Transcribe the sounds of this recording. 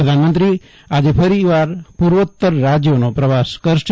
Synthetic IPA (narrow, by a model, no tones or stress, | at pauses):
əd̪ʱanmənt̪ɾi | ad͡ʒepʰəɾiʋaɾpuɾʋət̪ːəɾːad͡ʒjonopɾəʋaskəɾʃʈ